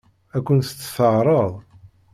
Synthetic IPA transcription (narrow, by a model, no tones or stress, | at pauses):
ækʷːənθət͡sːθəʕɾˤəðˤ